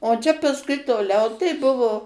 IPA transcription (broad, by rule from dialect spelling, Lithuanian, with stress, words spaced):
oː t͡ʃʲɛ pɐsˈkʊɪ toːˈlʲɛʊ tɐɪ ˈbʊʋoː